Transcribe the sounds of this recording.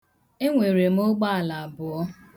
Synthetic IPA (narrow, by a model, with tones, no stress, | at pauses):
e˦ŋʷe˨ɾe˨m̩˦o˦ɡ͡ba˦a˨la˨a˨bʊ˨ɔ˦